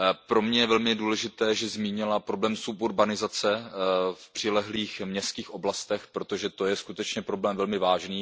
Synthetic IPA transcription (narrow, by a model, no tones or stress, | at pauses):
pɾo̞mɲɛjɛvɛlmɪduːlɛʒɪt̪ɛːʒɛzmiːɲɪlapɾo̞blɛːmsupuɾbanɪzat͡sɛfpr̥ɪlɛɦliːxmɲɛst̪kiːxʔo̞blast̪ɛxpɾo̞t̪oʒɛt̪ojɛskut̪ɛt͡ʃɲɛpɾo̞blɛːmvɛlmɪvaːʒniː